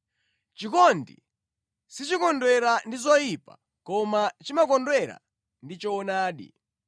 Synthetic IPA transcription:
t͡ʃikɔndḭ | sit͡ʃikɔndwɛɾandizɔjipa̰ | kɔmat͡ʃimakɔndwɛɾa̰ | ndit͡ʃɔɔnaːɗḭ

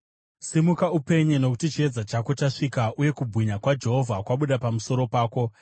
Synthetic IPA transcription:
simukaupe̞ɲeno̞kutit͡ʃie̞d͡zat͡ʃako̞t͡ʃaʂikaʔuje̞kubʱwiɲakwad͡ʒe̞ɦo̞vʱakwaɓuɗapamuso̞ɾo̞paːko̞

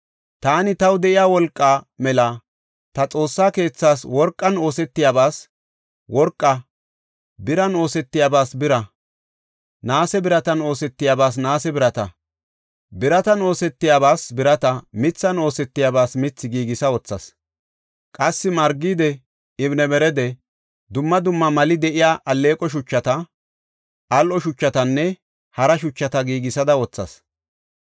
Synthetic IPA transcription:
t̪aːnɪt̪ɐwd̪ɛʔɪjaːwɔlkʼːamɛlɐ | t̪ɐt͡sʼo̞ːsːaːke̞ːt͡sːaːswɔɾkʼːɐno̞ːsɛt̪ːɪjabaːs | wɔɾkʼːɐ | bɪɾɐno̞ːsɛt̪ːɪjaːbaːsbɪɾɐ | naːsɛbɪɾɐt̪ɐno̞ːsɛt̪ːɪjaːbaːs̬naːsɛbɪɾɐt̪ɐ | bɪɾɐt̪ɐno̞ːsɛt̪ːɪjaːβaːsbɪɾɐt̪ɐmɪt͡sːɐno̞ːsɛt̪ːɪjabaːsmɪt͡sːɪɡiːɡɪsɐwɔt͡sːɐ̰s | kʼɐsːɪmɐɾɡiːd̪ɛ | ɪbnɛmɛɾɛd̪ɛ | d̪ʊmːɐd̪ʊmːɐmɐlɪd̪ɛʔɪjaːʔɐlːe̞ːkʼɔʃ̬ʊt͡ʃːɐt̪ɐ | ʔɐlʔɔʃʊt͡ʃːɐt̪ɐnːɛ | hɐɾɐʃʊt͡ʃːɐt̪ɐɡiːɡɪsɐd̪ɐwɔt͡sːɐ̰s

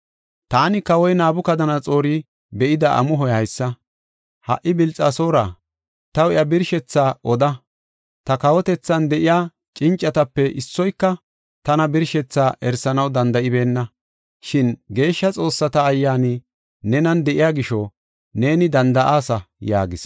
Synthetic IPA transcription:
t̪aːnɪkɐwɔjnaːbʊkɐd̪ɐnɐt͡sʼo̞ːɾɪ | bɛʔɪd̪ɐʔɐ̰mʊɦɔjhɐjsːɐ | hɐ̰ʔːɪbɪlt͡sʼɐso̞ːɾɐ | t̪ɐwjɐbɪɾʃɛt͡sːaːʔɔd̪ɐ | t̪ɐkɐwɔt̪ɛt͡sːɐnd̪ɛʔɪjaː | t͡ʃʼɪnt͡ʃʼːɐt̪ɐpːɛʔɪsːɔjkːɐ | t̪ɐnɐbɪɾʃɛt͡sːaːʔɛɾsɐnɐwd̪ɐnd̪ɐɪbe̞ːnːɐ | ʃɪnɡe̞ːʃːɐt͡sʼo̞ːsːɐt̪ɐːjːaːni | nɛnɐnd̪ɛʔɪjaːɡɪʃɔ | ne̞ːnɪd̪ɐnd̪ɐʔaːsɐja̰ːɡɪs

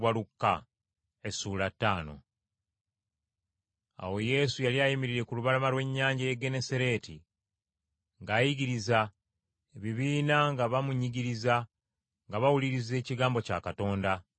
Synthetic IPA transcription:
walukːa | e̞suːlatːaːno̞̰ | a̰wo̞je̞ːsujaliajimiɾiɾe̞kuluβalamalwe̞ɲːaːɲɟajeɡe̞ne̞seɾe̞ːtḭ | ŋɡaːjiɡiɾiza | eβiβiːnaŋɡaβamuɲːiɟiɾiza | ŋɡaβawuliɾize̞ːciɡaːmbo̞ca̰ːkato̞ːnda

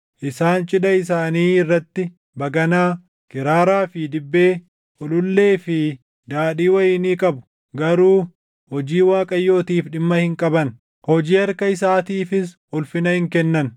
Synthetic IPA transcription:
ʔɪsaːnt͡ʃʼɪᶑɐɪs̬aːniːɪrːɐt̪ːɪ | bɐɡɐnaː | kɪɾaːɾaːfɪd̪ɪbːe̞ː | ʔʊlʊlːe̞ːfɪ | d̪aːᶑiːwɐjɪːniːkʼɐbʊ̥ | ɡɐɾuː | hɔd͡ʒiːwaːkʼɐjːo̞ːt̪iːfɗɪmːɐhɪŋkʼɐbɐn | hɔd͡ʒiːɐɾkɐɪsaːt̪iːfɪs | ʊlfɪnɐhɪŋkɛnːɐn

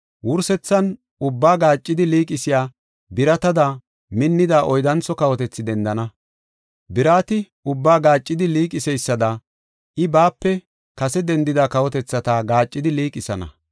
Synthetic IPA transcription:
wʊɾsɛt͡sːɐn | ʊbːaːɡaːt͡ʃʼːɪd̪ɪliːkʼɪsɪjaː | bɪɾɐt̪ɐd̪a | mɪnːɪd̪aːʔɔjd̪ɐnt͡sɔkɐwɔt̪ɛt͡sːɪd̪ɛnd̪ɐnɐ | bɪɾaːt̪ɪ | ʊbːaːɡaːt͡ʃʼːɪd̪ɪliːkʼɪsɛjsːɐd̪ɐ | ʔɪbaːpːɛ | kɐsɛd̪ɛnd̪ɪd̪aːkɐwɔt̪ɛt͡sːɐt̪aɡaːt͡ʃʼːɪd̪ɪliːkʼɪsɐnɐ̰

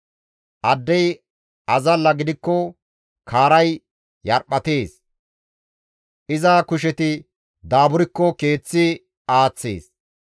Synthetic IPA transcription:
ʔɐd̪ːɛj | ɐzɐlːɐɡɪd̪ɪkːɔ | kʰaːɾɐj | jɐɾpːɐt̪e̞ːs | ʔɪzɐkʊʃ̬ɛt̪ɪ | d̪aːbʊɾɪkːɔke̞ːt͡sːɪ | aːt͡sːḛːs

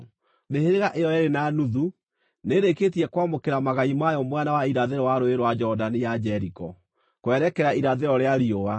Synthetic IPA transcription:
meheɾeɣaʔejɔeɾenanuðu | neɾeketiɛkwamokeɾamaɣaimajɔmwɛnawaiɾaðeɾɔwaɾoeɾwad͡ʒɔdanijad͡ʒɛɾikɔ | kwɛɾɛkɛɾaiɾaðeɾɔɾeaɾioa

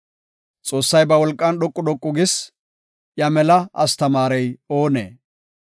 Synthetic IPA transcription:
t͡sʼo̞ːsːɐjbɐwɔlkʼːɐnɗɔkʼːʊɗ̪ɔkʼːʊɡɪs | jɐmɛlɐʔɐst̪ɐmaːɾɛjo̞ːnḛː

